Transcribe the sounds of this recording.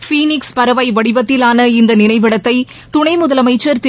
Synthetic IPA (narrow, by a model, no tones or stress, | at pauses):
fiːnɪkspɐɾɐʋɐɪʋɐɽɪbɐt̪ːɪlaːnɐɪnd̪ɐnɪnɐɪʋɪɽɐt̪ːɐɪ | t̪ʊɳɐɪmʊðɐlɐmɐɪt͡ʃːɐɾt̪